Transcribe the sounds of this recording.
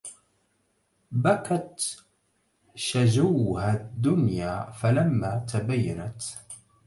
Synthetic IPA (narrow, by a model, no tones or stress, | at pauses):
bakat̪ | ʃad͡ʒawhaːd̪ːʊnjaːfalamːaːt̪ʰabajːa̰nat̪